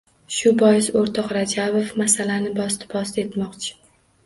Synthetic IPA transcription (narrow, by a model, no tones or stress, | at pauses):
ʃʊbɒjɪsoɾt̪ʰɒqɾad͡ʒabofmasalanɪbɒst̪ɪ̥bɒst̪e̞t̪mɒqt͡ʃʰɪ̥